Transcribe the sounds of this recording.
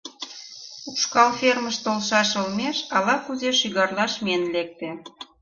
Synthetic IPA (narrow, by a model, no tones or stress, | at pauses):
uʃkɑlfermə̆ʃt̪olʃɑʃə̆lmeʃɑlɑxuzeʃyɣɑrlɑʃmenlek̚t̪ĕ